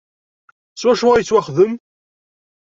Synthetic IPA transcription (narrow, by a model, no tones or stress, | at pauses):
swæʃʊʁjt͡sːwæχðəm